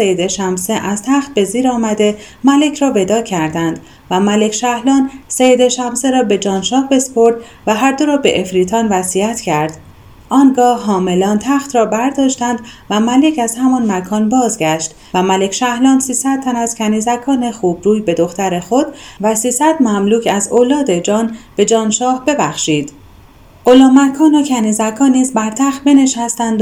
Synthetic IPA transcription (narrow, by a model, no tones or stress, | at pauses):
sejed̪eʃæmseʔæzt̪ʰæχt̪̚be̞ziːɾɒːmæd̪e̞ | mæle̞cʰɾɒːve̞d̪ɒːcʰæɾd̪ænd̪ | væmæle̞cʃæhlɒːnsejed̪e̞ʃæmseɾɒːbe̞d͡ʒɒːnʃɒːhbe̞spʰo̞ɾd̪ | væɦæɾd̪o̞ɾɒːbe̞ʔefɾiːt̪ʰɒːnvæsiæt̪ʰcʰæɾd̪̥ | ʔɒːnɡɒːhɦɒːme̞lɒːnt̪ʰæxt̪rɒːbæɾd̪ɒːʃt̪ænd̪væmæle̞cæz̥hæmɒːnmækʰɒːnbɒːzɡæʃt̪ | væmæle̞cʰʃæhlɒːnsiːsæd̪̚t̪ːʰænæz̥cʰæniːzækʰɒːne̞xuːbɾuːjbe̞d̪o̞xt̪æɾexo̞d̪̥væsiːsæd̪mæmluːcʰæzolɒːd̪e̞d͡ʒɒːnb̥e̞d͡ʒɒːnʃɒːhbe̞bæxʃiːd̪̥ | ɢolɒːmækʰɒːnocʰæniːzækʰɒːniːzbæɾt̪ʰæxt̪̚be̞ne̞ʃæst̪ænd̪